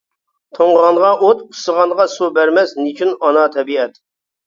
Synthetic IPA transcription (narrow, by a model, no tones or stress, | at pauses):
t̪ʰoɴʁɑnʁɑʔot̪̚pʰʊ̥səʁɑnʁɑsubæɾmɛznit͡ʃʰynɑnɑt̪ʰɛbiɛt̪